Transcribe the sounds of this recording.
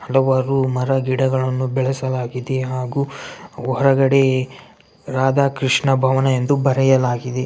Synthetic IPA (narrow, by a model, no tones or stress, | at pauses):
hɐlɐʋɐɾumɐɾɐɡiɽɐɡɐɭɐnːubɛɭɐsɐlaːɡid̪eɦaːɡuːɔɾɐɡɐɽe | ɾaːd̪aːkɾiʂɳɐbʱɐʋɐnɐend̪ubɐɾɐjɐlaːɡid̪e